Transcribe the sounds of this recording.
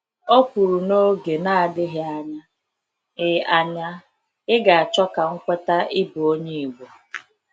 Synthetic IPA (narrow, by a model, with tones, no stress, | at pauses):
o˦kʷu˨ɾu˨no˦ɡe˨na˦a˨dɪ˦ɦɪ˦a˦ɲa˦ | ɪ˨a˨ɲa˦ | ɪ˦ɡa˨a˨t͡ʃɔ˦ka˨ŋ̩˦kʷe˦ta˦ʔɪ˦bu˨o˦ɲe˦i˨ɡʷo˨